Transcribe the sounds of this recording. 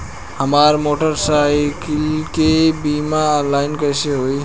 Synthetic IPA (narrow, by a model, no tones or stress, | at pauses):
həmaɾmoʈəɾsajkilkebimaːnlaɪnkəjseɦoj